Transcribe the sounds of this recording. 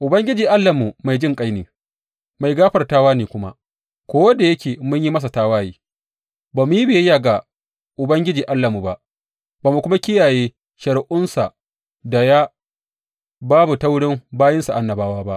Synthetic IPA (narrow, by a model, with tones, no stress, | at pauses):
ʔʊ˨bɐ˦ŋɡʲɪ˦d͡ʒiː˨ʔa˦lːɐ˨mu˨ma˨jd͡ʒɪ˦ŋkʼa˦jneː˨ | ma˨jɡaː˦ɸɐ˨rtaː˦waː˦neː˨kʷʊ˦ma̰˦ʔ | kʷoː˦wɐ˦da˨jɐ˦kʲeː˨mʊ˦ɲji˦mɐ˦s̬a˨taː˦waː˦jiː˦ | baː˨mʊ˨˦ji˦beː˨jja˨ɡa˨ | ʔʊ˨bɐ˦ŋɡʲɪ˦d͡ʒiː˨ʔa˦lːɐ˨mu˨ba˦ʔ | baː˨mu˨kʷʊ˦ma˦kʲɪ˦jaː˨jeː˦ | ʃɐ˨ɽʔʊ˦nsa˨ | da˨ja˦ | baː˦bu˨ta˦wɽɪ˦mbaː˦jɪ˦nsa˨ʔa˨nːɐ˨baː˦waː˦ba˦ʔ